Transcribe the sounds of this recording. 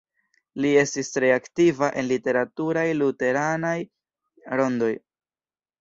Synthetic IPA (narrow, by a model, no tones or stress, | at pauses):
lie̞stistɾe̞aktivaʔe̞nlite̞ɾatuɾajlute̞ɾanaj | ɾo̞ndo̞j